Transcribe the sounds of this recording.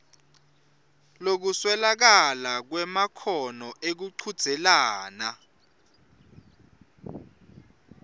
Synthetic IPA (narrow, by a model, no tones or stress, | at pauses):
lok̬uswɛlak̬alak̬wɛmakʰɔnɔʔek̬uǀʰud̥z̥ʱɛlaːna